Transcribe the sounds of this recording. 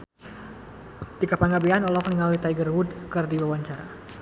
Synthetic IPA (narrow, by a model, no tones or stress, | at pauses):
d̥ikapaŋɡabeanɔlɔkniŋalit̪ajɡərwudkərdiwawaɲt͡ʃaɾa